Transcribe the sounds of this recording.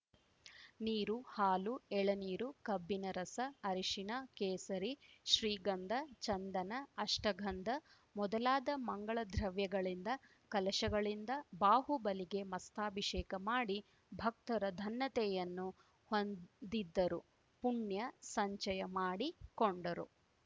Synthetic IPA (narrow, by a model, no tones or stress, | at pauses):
niːɾuhaːluɛɭɐniːɾukɐbːinɐɾɐsɐɐɾiʃinɐkeːsɐɾiʃɾiːɡɐnd̪ʱɐt͡ʃɐnd̪ɐnɐːʂʈɐɡʱɐnd̪ʱɐ | mɔd̪ɐlaːd̪ɐmɐŋɡɐɭɐd̪ʱɾɐʋjɐɡɐɭind̪ɐ | kɐlɐʃɐɡɐɭind̪ɐbaːɦubɐliɡe̞mɐst̪ʰaːbʱiʂɛːkɐmaːɽi | bʱɐk̚t̪ɐɾɐd̪ʱɐnːɐt̪ɛjɐnːu | hond̪id̪ːɐɾu | puɳjɐsɐɲt͡ʃɐjɐmaːɽikoɳɖɐɾṵ